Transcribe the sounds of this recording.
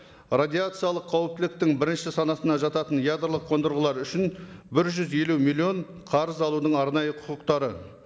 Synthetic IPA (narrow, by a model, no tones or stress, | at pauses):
rad̪ʲiat̪sɨjɑlˠəqʰːɑwɪp̚t̪ɪlɪk̚t̪ɪŋbɪɾɪnʃɪsɑnɑsənɑʒɑt̪ɑt̪ənjad̪rlˠəqʰːo̞nd̪əɾʁəlˠɑɾʏʃɪnbɪɾʒʏzje̞lumilʲˠio̞ɴ | qʰɑɾəzɑlˠud̪əɴɑɾnɑjəqʰʊqəqt̪ɑɾə